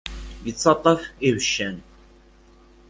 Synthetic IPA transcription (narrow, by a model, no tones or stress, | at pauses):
jət͡sːɑt̪ˤːɑfivəʃːæn